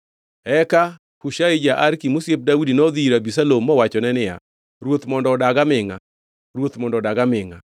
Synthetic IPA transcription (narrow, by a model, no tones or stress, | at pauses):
ɛka | kuʃaid͡ʒaʔaɾkimusep̚daudinɔd̪iɾabisalomːɔwat͡ʃɔnɛnɪja̰ | ɾwot̪mɔndɔdaɡamɪŋa̰ | ɾwot̪mɔndɔdaɡamɪŋa̰